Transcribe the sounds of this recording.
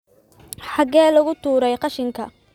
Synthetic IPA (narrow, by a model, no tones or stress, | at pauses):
ħɑɡɛːlɐɣʊt̪ʰuːɾɛjqɑʃɪŋkʰɐ̰